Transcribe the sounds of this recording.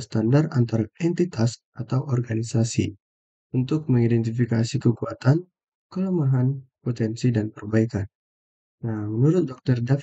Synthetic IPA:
st̪andarant̪aɾaɛnt̪it̪asʔat̪awʔɔrɡanisasḭ | unt̪ʊk̚məŋidɛnt̪ifikasikəkuat̪an | kəlomaɦanpot̪ɛnsidanpərbaikan | namənuɾʊt̪̚dɔk̚t̪ərdaf

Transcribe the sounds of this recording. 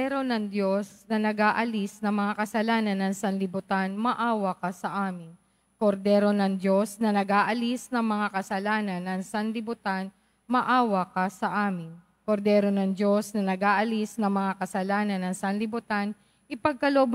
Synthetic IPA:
ɛɾo̞nɐŋd̪jo̞snɐnɐɡaːʔɐlisnɐŋmɐŋakɐsɐlaːnɐnːɐŋsɐnlɪbʊt̪anmɐʔaːwɐkɐsɐʔaːmɪn | koɾd̪ɛɾo̞nɐŋd̪jo̞snɐnɐɡaːʔɐlisnɐŋmɐŋakɐsɐlaːnɐnɐŋsɐnlɪbʊt̪an | mɐʔaːwɐkɐsɐʔaːmɪn | koɾd̪ɛːɾo̞nɐŋdjo̞snɐnɐɡaːʔɐlisnɐŋmɐŋakɐsɐlaːnɐnːɐŋsɐnlɪbʊt̪an | ʔɪpɐɡ̚kɐlob

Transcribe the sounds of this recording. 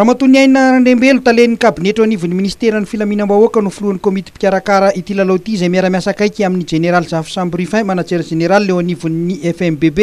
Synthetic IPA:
ramat̪uniajninəɾaɳɖ͡ʐembelut̪alenikabineʈ͡ʂowanivuniminisi̥t̪eɾanifilaminambaokənufuluanikomit̪i̥pi̥kʲaɾakaɾəʔit̪ilalot̪iːzejmaɾamʲjasakajkʲiaminid͡ʒeneɾalizafu̥sambirifãjmanat͡seɾd͡ʒeneɾaliːewanivunniʔɛfɛmbebe

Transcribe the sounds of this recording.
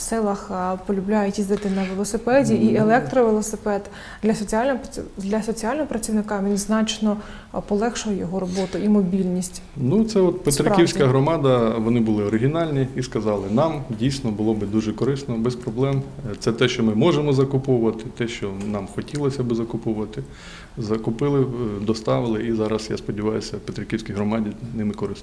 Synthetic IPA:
sɛlˠɐxpɔlʲʊblʲajʊtʲizd̪ɪt̪ɪnɐʋelˠɔsɪpɛdʲiʔielˠɛk̚t̪ɾɔʋelˠɔsɪpɛd̪ | d̪lʲɐsɔt͡sʲiɑlʲnɔɦpʲd̪lʲɐsɔt͡sʲijɑlʲnɔɦɔpɾɐt͡sʲiwnɪkɑʋʲinʲznɑt͡ʃnɔ | pɔlˠɛxʃʊjɔjɔɦɔɾɔbɔt̪ʊimɔbʲilʲnʲisʲtʲ | nut̪sɛɔt̪pet̪ɾɪkiwsʲkkɐɦɾɔmɑd̪ɐʋɔnɪbʊlˠɪɔɾɪɦʲinɑlʲnʲiiskɐzɑlˠɪnɑmdʲijsʲnɔbʊlˠɔbɪd̪uʒɛkɔɾɪsnɔbɛspɾɔblˠɛmt̪sɛt̪ɛʃt͡ʃɔmɪmɔʒemɔzɐkʊpɔwʊʋɐt̪ɪt̪ɛʃt͡ʃɔnɑmxɔtʲilˠɔsʲɐbɪzɐkʊpɔwʊʋɐt̪ɪ | zɐkʊpɪlˠɪd̪ɔst̪ɑʋɪlˠɪizɑɾɐsja̰spɔdʲiʋɑjʊsʲɐwpet̪ɾɪkʲiwsʲkʲijɦɾɔmɑdʲinɪmɪkɔɾɪs

